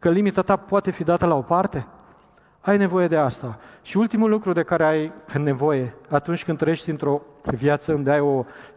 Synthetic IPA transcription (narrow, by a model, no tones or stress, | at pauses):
kəlimit̪at̪apoat̪e̞fid̪at̪əlao̞part̪e̞ | ajne̞vo̞je̞d̪e̞ast̪aʃiult̪imulːukɾud̪e̞kaɾeajne̞vo̞je̞at̪unt͡ʃʲkɨnd̪ɾəjeʃt̪ʲint̪ɾo̞vjat̪səɨnd̪eajo̞